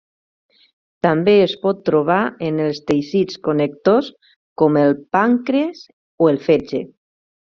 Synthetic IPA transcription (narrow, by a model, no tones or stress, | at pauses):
t̪ambeespɔt̪ːɾuβ̞aenelˠst̪ejsit͡skonek̚t̪os | kɔmelˠpaŋkɾes | oelˠfed͡ʒe